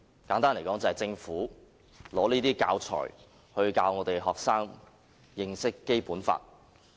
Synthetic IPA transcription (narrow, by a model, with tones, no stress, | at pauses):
kaː˨˥nt̪aː˥nle˨˩jkɔː˨˥ŋt͡sɐ˨hɐ˨jt͡sɪ˧ŋfuː˨˥ | lɔː˨˥niː˥t̪iː˥kaː˧wt͡ʃʰɔ̰ː˨˩j | hɵ˧ɥkaː˧wŋɔː˨˧˥t̪e˨jɦɔː˨k̚saː˥ŋ | jɪ˧ŋsɪ˥kːe˥jpuː˨˥nfa̰ː˧t̚